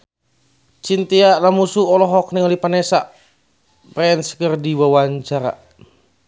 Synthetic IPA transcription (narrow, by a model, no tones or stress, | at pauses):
t͡ʃint̪iaʔlamusuɔlɔɦɔk̚niŋɔlipanɛsaʔ | bɾɛɛnsə̥kərdiwawaɲt͡ʃaɾa̰